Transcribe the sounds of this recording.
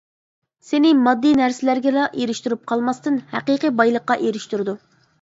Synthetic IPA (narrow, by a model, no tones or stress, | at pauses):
senɪmɑd̪ːɨnæɾsɪlæɾɡʲɛlɑʔeɾɪʃt̪yɾyp̚qʰɑlˠmɑst̪ɨnhæqiqibɑjlˠəqːɑʔeɾɪʃt̪yɾɨd̪u